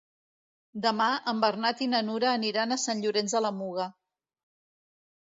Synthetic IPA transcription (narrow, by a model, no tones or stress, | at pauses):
d̪əmaʔəmbərnat̪inənuɾəːniɾanəsanʎuɾenzðələmuɣə